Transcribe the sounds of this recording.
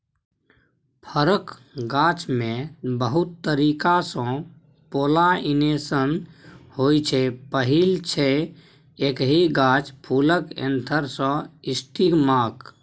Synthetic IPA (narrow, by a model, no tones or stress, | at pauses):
pʰəɾəkɡat͡ʃmẽbəɦut̪ːəɾikasɔ̃ | poːlainesənhojt͡ʃʰɛpəɦilt͡ʃʰe | ekɦiɡat͡ʃpʰuːləkḛ̃nt̪ʰəɾsɔ̃isʈiɡmaːk